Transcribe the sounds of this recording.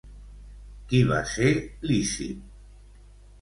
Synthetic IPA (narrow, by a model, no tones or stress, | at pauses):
kiβa̰selisḭp̚